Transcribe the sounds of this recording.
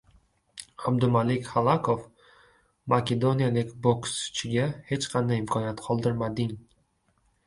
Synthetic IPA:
ab̚d̪ʊmalɪkʲχalˠakʰof | makʲe̞d̪o̞nijalɪkʲboksʊ̥t͡ʃʰɪɡʲahe̞t͡ʃqʰɑnd̪ajɪmkʰɒnijat̪qʰɒlˠd̪ɪɾmad̪ɪŋ

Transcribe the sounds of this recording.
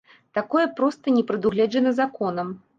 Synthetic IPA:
t̪akɔjɛpɾɔst̪ɐnʲɛpɾɨd̪uɣlʲɛd͡ʒɐnɐzakɔnɐm

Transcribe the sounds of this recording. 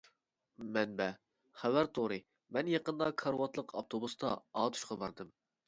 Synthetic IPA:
mɛnbɛ | χævæɾt̪ʰoɾɨ | mɛnjɑqənd̪ɑkʰɑɾwɑt̪lˠəqʰɑp̚t̪ʰobust̪ʰɑ̰ɑːt̪ʰu̥ʃqɑbɑɾd̪ɨm

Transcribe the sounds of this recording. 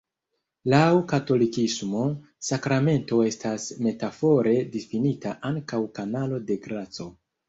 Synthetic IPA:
lawkato̞likismo̞ | sakɾame̞nto̞e̞stʰasme̞tafo̞ɾe̞difinitaʔaŋkawkanalo̞de̞ɡɾat͡so̞

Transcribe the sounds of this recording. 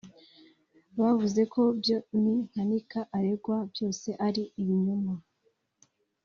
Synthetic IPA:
βavuze̞kʰo̞bjoniŋ̥hanikaʔaɾe̞ɡwabjo̞ːse̞ʔaɾiiβiɲuma

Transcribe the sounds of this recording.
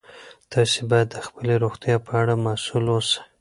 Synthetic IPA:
t̪ɑsebɑjad̪ːəxpəleɾoxt̪jɑpʰəaɽamasulwosḁ

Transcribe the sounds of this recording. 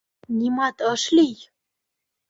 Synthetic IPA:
nʲimɑt̪əʃlij

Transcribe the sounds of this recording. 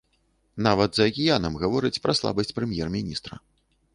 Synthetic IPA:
navɐd̪zɐɐkʲijanɐmɣavɔɾɨt͡sʲpɾɐslˠa̰bɐsʲt͡sʲpɾɛmʲjɛrmʲinʲist̪ɾɐ̰

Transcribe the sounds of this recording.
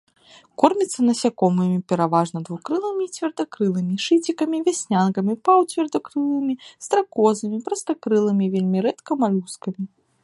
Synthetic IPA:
kɔrmʲit̪sːɐnɐsʲakɔmɨmʲipʲɛɾavaʐnɐd̪vukɾɨlˠɨmʲiːt͡sʲvʲɛrd̪ɐkɾɨlˠɨmʲiʂɨt͡sʲikɐmʲivʲasʲnʲankɐmʲipawt͡sʲvʲɛrd̪ɐkɾɨlˠɨmʲist̪ɾakɔzɨmʲipɾɐst̪ɐkɾɨlˠɨmʲivʲelʲmʲiɾɛt̪kɐmalʲuskɐmʲi

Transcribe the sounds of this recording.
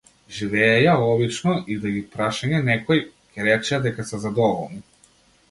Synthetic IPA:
ʒivɛːjaɔbit͡ʃnɔʔid̪aɡʲipɾaʃaɲɛnɛkɔjcɛɾɛt͡ʃɛad̪ɛkasɛzad̪ɔvɔlˠni

